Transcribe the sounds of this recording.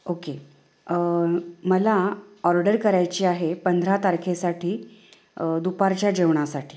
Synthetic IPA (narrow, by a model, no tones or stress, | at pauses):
oke | əməlaɔɾɖəɾkəɾajt͡ɕiːaɦepənd̪ʱɾat̪aɾkʰesaʈʰiː | d̪upaɾt͡ɕjad͡ʑeʋɳ̃asaʈʰiː